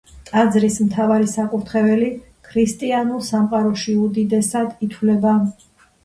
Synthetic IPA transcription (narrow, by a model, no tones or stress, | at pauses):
t̪ʼad̪zɾismt̪ʰavaɾisakʼuɾt̪ʰχɛvɛli | kʰɾist̪ʼianulˠsamqʼaɾɔʃiud̪id̪ɛsad̪it̪ʰwlɛba